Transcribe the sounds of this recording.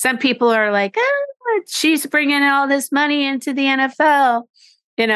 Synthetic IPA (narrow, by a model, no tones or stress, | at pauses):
sʌ̃mpʰipl̩ˠə˞laɪkoʌʃizbɹɪ̃ŋɪ̃ŋɾɔlˠðɪsmʌñiɪ̃ntʰʉðiɛ̃ñɛfɛlˠ | jɨno